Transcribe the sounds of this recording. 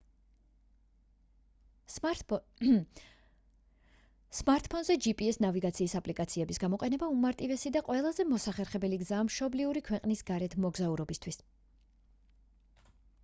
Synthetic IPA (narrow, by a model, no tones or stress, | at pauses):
smaɾt̪ʰʼpʰɔnzɛd͡ʒipʼiɛsnaviɡat̪sʰiːsapʼlikʼat̪sʰiɛbisɡamɔqʼɛnɛbaumaɾt̪ʼivɛsid̪aqʼwɛlˠazɛmɔsaχɛɾχɛbɛliɡzaːmʃɔbliuɾikʰwɛqʼnisɡ̥aɾɛt̪ʰmɔɡzauɾɔbist̪ʰwis